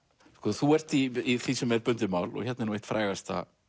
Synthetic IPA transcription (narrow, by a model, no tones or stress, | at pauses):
kɔθuɛr̥t̪iiθisɛmɛɾpʏnt̪ɪmawlɔ̰çɛt̪nɪnuejht̪fɾa̰ːjɣast̪a̰